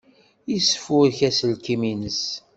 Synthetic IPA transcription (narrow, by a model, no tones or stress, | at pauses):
isə̥fʊɾçæsəlkiminəs